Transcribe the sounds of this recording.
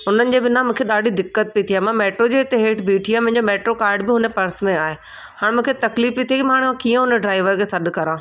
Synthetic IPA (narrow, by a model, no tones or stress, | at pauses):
ɦʊnənɪ̆d͡ʑebɪnãmũːkʰeɗaːɖʱid̪ɪkːət̪̚pit̪ʰijaːmãmeːʈɾod͡ʑeːɪt̪eɦeːʈʰbiːʈʰijaːmʊ̃ɦɪ̃ɲd͡ʑomeːʈɾokaːɾɖbɪɦʊnepɐɾsmẽaːɦeː | haːɽ̃mũːkʰet̪ɐkliːfpit̪ʰiekimaːɽ̃ãkiːə̃ɦʊneɖɾaːɪʋəɾkʰesɐɗ̆kɐɾãː